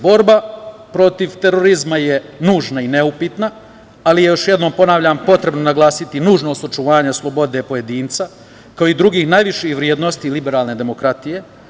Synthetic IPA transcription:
bo̞ɾbapɾo̞t̪iʋt̪e̞ɾo̞ɾizmajenuːʒnaine̞upit̪na | alijejo̞ʃje̞d̪no̞ːmpo̞naʋʎaːmpo̞t̪ɾe̞bnonaɡlˠaːsit̪inuːʒnoːst̪ot͡ʃuʋaːɲaslˠo̞bo̞d̪e̞po̞je̞d̪iːnt̪sa | kaoid̪ɾuɡiːxnajʋiʃixʋɾjeːd̪nost̪ilibeɾaːlˠne̞d̪e̞mo̞kɾat̪ije̞

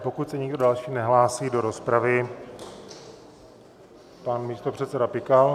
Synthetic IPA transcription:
po̞kut̪sɛɲɪɡdodalʃiːnɛɦlaːsiːdo̞ɾo̞spɾavɪ | panmiːst̪o̞pr̝̥ɛt̪sɛdapɪkal

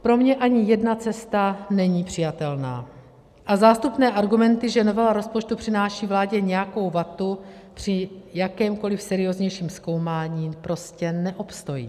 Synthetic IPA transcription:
pɾo̞mɲɛʔaɲɪjɛdnat͡sɛst̪anɛɲiːpr̥ɪjat̪ɛlna̰ː | ʔazaːst̪upnɛːʔaɾɡumɛnt̪ɪʒɛno̞vɛlaɾo̞spot͡ʃt̪upr̥ɪnaːʃiːvlaːɟɛɲɛjako̞wvat̪u | pr̥ɪjakɛːmko̞lɪfsɛɾɪo̞zɲɛjʃiːmsko̞wmaːɲiːpɾo̞scɛnɛʔo̞pst̪o̞jḭː

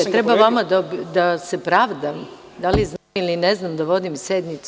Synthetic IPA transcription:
t̪ɾebaʋamad̪abd̪asepɾaʋd̪am | d̪aliznailineznamd̪aʋo̞d̪imsed̪mit̪s

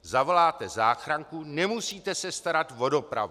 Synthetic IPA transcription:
zavolaːt̪ɛzaːxɾaŋkunɛmusiːt̪ɛsɛst̪aɾat̪vo̞do̞pɾa̰vu

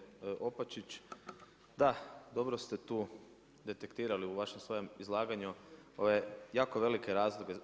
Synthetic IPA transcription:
ʔopat͡ʃit͡ʃ | d̪ad̪o̞bɾost̪e̞t̪uː | d̪e̞t̪ekt̪iːɾaliuʋaʃemsʋo̞je̞mizlˠaːɡaɲuo̞ʋejaːkoʋe̞like̞ɾaːzlˠoɡe

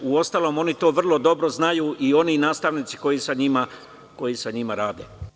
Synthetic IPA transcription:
uo̞st̪aːlo̞ːmo̞nit̪o̞ːʋr̩lˠo̞d̪o̞bɾo̞znajuːʔio̞ninaːst̪aʋnit̪si̥ko̞jisaɲima | ko̞jisaɲimaɾaːd̪ḛ

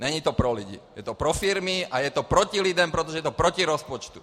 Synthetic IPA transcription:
ɲɛɲiːt̪ɔpɾɔluɟḭjɛt̪ɔpɾɔfiɾmiajɛt̪ɔpɾɔcilid̪ɛmpɾɛt̪ɔʒɛjɛt̪ɔpɾɔciɾɔspɔt͡ʃt̪u̥

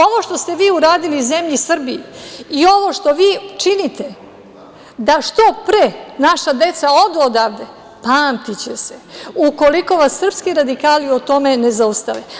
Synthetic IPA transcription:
o̞ʋo̞ʃt̪o̞st̪e̞ʋiːuɾaːd̪iliuze̞mʎisr̩biiio̞ʋo̞ʃt̪o̞ʋiːt͡ʃinit̪e | d̪aʃt̪o̞pɾenaʃad̪e̞t̪sao̞ʋd̪eod̪aːʋd̪e | paːmt̪it͡ɕe̞seuko̞liko̞ʋasːr̩pskiɾad̪ikaːliot̪o̞me̞ne̞zaust̪aʋe

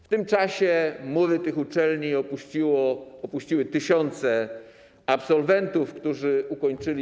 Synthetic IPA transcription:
ft̪ɘmt͡ʂaɕɛmwɔvɘt̪ɘxut͡ʂɛlɲiɔput͡ɕiwɔɔpuɕt͡ɕiwɘt̪ɘɕɔnt̪sɛ | apsɔlvɛnt̪ufkt̪uʐɘʔukɔɲt͡ʂɘlʲi

